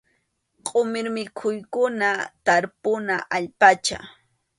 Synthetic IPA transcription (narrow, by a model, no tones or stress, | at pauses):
qʼomɪɾmɪkʰʊjkʊnat̪aɾpʊnaʔaʎpat͡ʃa̰